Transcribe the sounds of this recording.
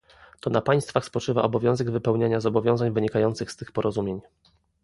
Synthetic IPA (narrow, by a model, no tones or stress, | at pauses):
t̪ɔnapaj̃st̪faxspɔt͡ʂɘva̰ʔɔbɔvʲjɔ̃w̃zɛɡvɘpɛwɲaɲazɔbɔvʲjɔ̃w̃zaɲvɘɲikajɔnt̪sɘxst̪ɘxpɔɾɔzumʲjeɲ